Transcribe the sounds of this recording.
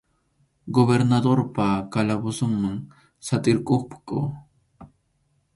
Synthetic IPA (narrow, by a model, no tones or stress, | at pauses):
ɡoβeɾnad̪oɾpakalabʊsʊŋmaŋ | sat̪ɪɾkoχpʊ̥koː